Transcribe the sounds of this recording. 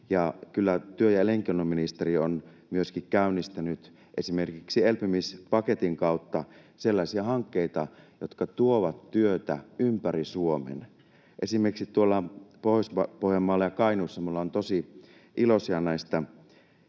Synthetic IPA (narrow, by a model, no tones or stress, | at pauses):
jɑkylːæt̪yøjɑeleŋkionːomminist̪erion | myøskikkæynːist̪ænyt̪ | ʔesimerkiksielpymispɑket̪iŋkɑut̪ːɑ | selːɑisiɑhɑŋkːeit̪ɑjot̪kɑt̪uoʋɑt̪tyøt̪æ̰ympærisuomḛn | ʔesimerksit̪uolːɑpohosɑpohjɑmːɑːlːɑjɑkɑinusːɑmulːɑont̪osi | ʔilosiɑnæist̪ɑ